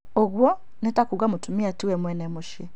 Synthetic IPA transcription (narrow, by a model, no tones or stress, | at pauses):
oɣwɔ | netakuɣamotumiatiwɛmwɛnɛmoʃje